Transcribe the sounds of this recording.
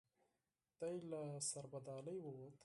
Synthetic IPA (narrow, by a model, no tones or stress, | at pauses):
t̪ajlasaɾbad̪ɑːləjwowt̪